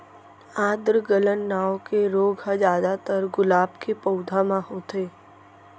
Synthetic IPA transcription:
aːd̪ɾəɡələnːaːokeɾoːɡɦad͡ʒaːd̪at̪əɾɡʊlaːbkepəʊd̪ʱamãhoːt̪eː

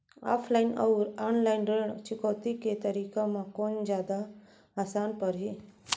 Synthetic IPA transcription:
a̰ːpʰlainəɾaːnlajnɖeɳt͡ʃʊkɔːt̪iket̪əɾikamãkond͡ʒjaːd̪aː | sanpəɾɦi

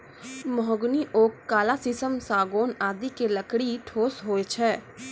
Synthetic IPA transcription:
mɔɔɡniʔoːkːaːlasɪsəmsaːɡoːnaːd̪ikeləkɽiʈʰoːsɦoːet͡ʃʰɛː

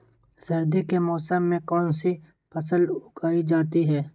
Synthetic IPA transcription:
sɐɾd̪ikemɔːsəmːẽkɔːnsi | pʰɐsəlʊkaːid͡ʒaːt̪iɦɛː

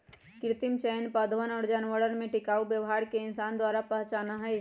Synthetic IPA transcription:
kɪɾɪt̪ɪmt͡ʃɛːnpad̪ʋənɔːɾd͡ʒanʋəɽənmẽʈɪkaːubjəʋɦaːɾkeɪnsaːnd̪waːɾapəɦt͡ʃaːnaɦɛ

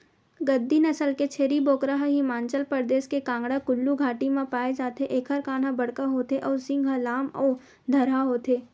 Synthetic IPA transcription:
ɡɐd̪ːinɐsəlket͡ʃʰeːɾiboːkɾəɦaɦimãːnt͡ʃəlpəɾd̪eːskekãːŋɡɽakʊlːuɡʱaːʈimãpaːed͡ʒaːt̪eʔeːkʰɦəɾkaːn̤ãbɐɽ̤kaɦoːt̪eʔɔːɾsɪ̃ŋɡʱɦəlaːmɔː | d̪ʱɐɾɦaɦoːt̪eː

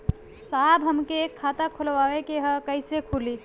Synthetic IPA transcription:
saːbɦɐmkekʰːaːt̪akʰʊlʋaːʋekeɦə̃kɐɪsekʰuli

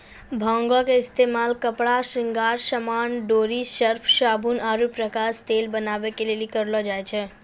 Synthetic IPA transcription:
bʱãŋɡɔkeɪst̪emalkəpɽaʃɾɪ̃ŋɡaːɾʃəmaːɳɖoːɾiʃəɾpʰʃaːbʱunʔaːɾupɾəkast̪elbənaːʋekelelikəɾlɔd͡ʒajt͡ʃʰɛ

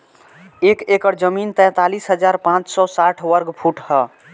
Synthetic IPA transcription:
ekekəɾd͡ʒəmint̪ɛ̃t̪alisɦəd͡ʒaɾpãt͡ʃsɔsaʈʰʋəɾɡpʰuʈhɔ

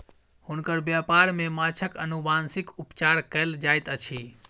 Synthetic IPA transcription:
hunkəɾbjapaɾmemat͡ʃʰəkənubʱansikupt͡ʃaɾkəld͡ʒajt̪ət͡ʃʰi

